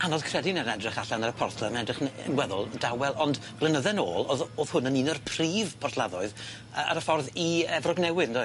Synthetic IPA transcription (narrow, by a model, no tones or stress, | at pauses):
anɔðkʰrɛdɪnɛnɛdrɪχaɬanəɾəpʰɔrθlˠamanɛdrɪχə̰nwɛðʊ̰lˠdawɛlˠɔndb̥lˠənəðɛno̰ːlˠoðoːð̥hʊnəniːnərpʰriːvpʰɔrθlˠaðɔɨð | əa̰ɾəfɔrðiɛvrɔɡnɛwɪndɔɨ